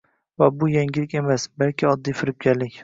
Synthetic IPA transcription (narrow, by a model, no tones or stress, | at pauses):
vabʊjaŋɡʲɪlɪkʲe̞masbalkʲʰɪɒd̪ːijfɪɾɪb̚ɡʲaɾlɪkʲ